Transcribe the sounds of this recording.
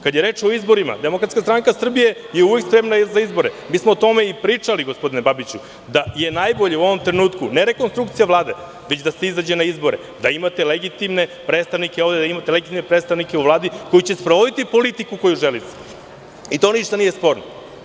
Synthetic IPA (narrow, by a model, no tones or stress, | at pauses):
kad̪jeɾeːt͡ʂoizbo̞ɾima̰d̪e̞mokɾat̪skast̪ɾaŋkasr̩bije̞ | jeuʋe̞kspɾe̞mnazaizbo̞ɾemiːsmoːt̪o̞me̞ipɾiːt͡ʂaliɡo̞spo̞d̪inebabit͡ɕu | d̪aje̞najbo̞ʎeuo̞ʋomt̪ɾenuːt̪kuneɾe̞konst̪ɾukt̪sijaʋlˠaːd̪e̞ | ʋet͡ɕd̪aseizad͡ʑenaizbo̞ɾe | d̪aimat̪e̞leɡit̪imne̞pɾet̪st̪aʋnikeo̞ʋd̪ed̪aimat̪eleɡit̪imnepɾet̪st̪aʋnikeuʋlˠaːd̪iko̞jut͡ɕespɾoʋod̪it̪ipo̞lit̪ikuko̞juʒelit̪ | it̪o̞niʃt̪anije̞spo̞ɾno